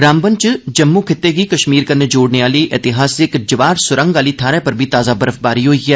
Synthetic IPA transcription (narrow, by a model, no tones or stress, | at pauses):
ɡɾaːmbənt͡ʃd͡ʒəmːuːkʰɪt̪ːeːɡiːkəʃmiːɾkəɾneːd͡ʒoːɽneːaːliːʔɪt̪ɪɦaːsɪkd͡ʒɪʋaːɾsʊɾə̃ŋɡaːliːt̪ʰaːɾɛ̃ːpəɾbʱiːt̪aːzaːbəɾəfbaːɾiːɦoːiːɦɛː